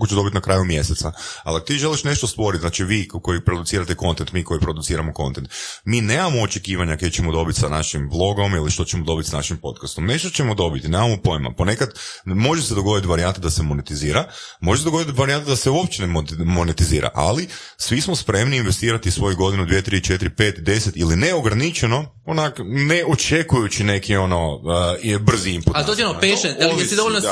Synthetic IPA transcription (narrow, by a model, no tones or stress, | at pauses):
ot͡ʃed̪o̞bit̪inakɾaːjumje̞set̪saaliako̥t̪iːʒe̞liʃne̞ʃt̪ost̪ʋo̞ɾit̪znaːt͡ʃiʋiːko̞jipɾod̪ut̪iːɾat̪eko̞nt̪ent̪miːko̞ipɾod̪ut̪siːɾamoko̞nt̪ent̪miːneːmamo̞ːt͡ʃekiːʋaɲakejt͡ɕemod̪o̞bit̪sanaʃimblˠo̞ɡo̞miliʃt̪o̞t͡ɕemod̪o̞bit̪sanaʃimpo̞t̪kast̪omne̞ʃt̪ot͡ɕemod̪o̞bit̪ineːmamo̞po̞jima̰pone̞kad̪mo̞ʒesed̪oɡo̞d̪it̪ʋaɾiant̪ed̪asemonet̪iziːɾamoʒesed̪ɡod̪t̪ʋaɾiant̪ad̪aseuopt͡ɕenemomonet̪iziːɾa̰ʔa̰li | sʋismospɾe̞mniːnʋe̞st̪iːɾat̪isʋo̞juɡo̞d̪inud̪ʋje̞t̪ɾit͡ʃet̪iɾipe̞ːt̪id̪e̞set̪iline̞o̞ɡɾanit͡ʃeno̞ | onakneo̞t͡ʃe̞kujut͡ʃine̞kio̞no̞ | br̩ziimput̪d̪ot̪ʲionopeʃealesid̪ooln